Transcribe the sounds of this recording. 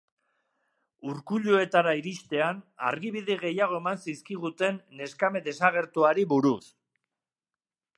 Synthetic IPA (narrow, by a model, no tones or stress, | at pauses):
uɾkuʎue̞t̪aɾaiɾiʃt̪e̞ana̰ɾɣiβ̞iðeɣe̞jaɣ̞o̞e̞mansiskiɣ̞ut̪e̞nːe̞skame̞d̪e̞saɣ̞e̞ɾt̪uaɾiβuɾus